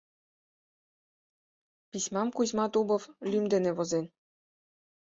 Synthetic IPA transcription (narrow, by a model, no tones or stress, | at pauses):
pisʲmɑmkuzʲmɑt̪ubɤ̆flʲymd̪ɘ̆nɘ̆βozen